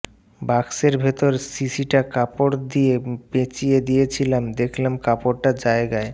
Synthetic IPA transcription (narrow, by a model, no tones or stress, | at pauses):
bakseɾbʱet̪oɾsisiʈakapoɽd̪ijepet͡ɕijed̪ijet͡ɕʰilamd̪ekʰlemkapoɾʈad͡ʑaeɡae